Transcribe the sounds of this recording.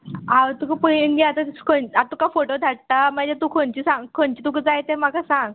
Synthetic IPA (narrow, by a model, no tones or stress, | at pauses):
awt̪ukəpənɡeat̪ḁkʰonat̪ukafoʈod̪ʱaɽ̚t̪amad͡ʑet̪ukʰoɳt͡ɕisãŋɡkʰoɳt͡ɕiːt̪ukəd͡zajt̪em̤akasãŋɡ